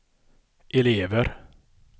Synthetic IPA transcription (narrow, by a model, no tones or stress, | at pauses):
ʔɛleːʋəɾ